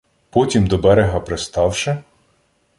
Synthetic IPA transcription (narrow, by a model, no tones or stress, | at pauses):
pɔtʲimd̪ɔbɛɾeɦɐpɾest̪ɑwʃɛ